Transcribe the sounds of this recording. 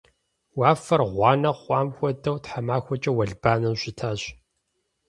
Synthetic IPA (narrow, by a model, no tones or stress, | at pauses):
waːfɐrʁʷɑːnɐχʷʼɑːmxʷɔdɐwtħamaːxʷɔt͡ʃʼɐwɐɮb̥aːnɨmɕɪtʰaːɕ